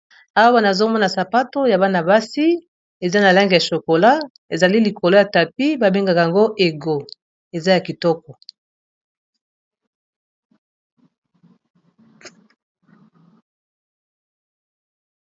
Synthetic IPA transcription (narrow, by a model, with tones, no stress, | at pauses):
a˦wa˦na˨zo˦mɔ˦na˨sa˨pa˦to˦ja˨ba˦na˨ba˦si˦ | e˨za˦na˨la˦ŋɡe˨ja˨ʃo˨ko˨la˦ | e˨za˨li˦li˨ko˨lo˦ja˨ta˨pi˦ba˨be˦ŋɡa˨ka˨a˨ŋɡo˦ʔe˨ɡo˨ | e˨za˦ja˨ki˨tɔ˦kɔ˨